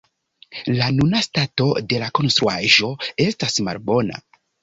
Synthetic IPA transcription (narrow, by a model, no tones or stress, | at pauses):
lanunastato̞de̞lako̞nstɾuaʒo̞e̞stasma̰lbo̞na̰